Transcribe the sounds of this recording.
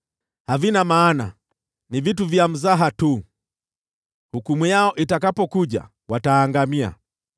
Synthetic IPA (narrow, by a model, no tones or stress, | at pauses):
havinamaːna | nivituvjam̩zaɦatu | hukumujaɔʔitakapɔkuʄa̰ | wataːŋɡamia̰